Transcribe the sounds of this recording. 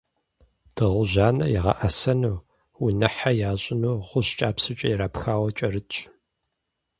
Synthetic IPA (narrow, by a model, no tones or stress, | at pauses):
d̥ɨʁʷʊʑaːnɐ̰jɪʁɐ̰ʔɐsɐnuː | ʊnɐħajaːɕʼɪnuːʁʷʊɕt͡ʃʼaːpsɨt͡ʃʼɐjɪɾaːpxaːwɐt͡ʃʼɐrɨtʼ